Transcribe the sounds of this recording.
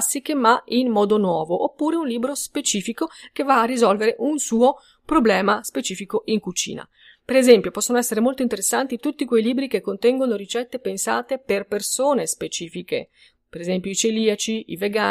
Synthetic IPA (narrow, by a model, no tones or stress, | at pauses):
sːikemainmɔːd̪onwɔːvoʔopːuːɾeunliːbɾospet͡ʃiːfikok̟evːaːrːizɔlveɾeʔunsuːo | pɾoblɛːmaspet͡ʃiːfikoʔiŋkut͡ʃḭːna̰ | peɾezɛmpjopɔsːonoɛsːeɾemolt̪oint̪̬eɾesːant̪it̪ut̪ːikwejliːbɾikekːont̪ɛŋɡonoɾit͡ʃɛt̪ːepensa̰ːt̪eperpersoːnespet͡ʃiːfikḛ | peɾezɛmpjoit͡ʃeliːat͡ʃiiveɡa